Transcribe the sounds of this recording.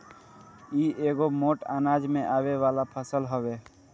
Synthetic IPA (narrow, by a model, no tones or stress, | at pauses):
iːeːɡomoːʈaːnaːd͡ʒmẽʔaːweʋaːlapʰəsəlɦoʋeː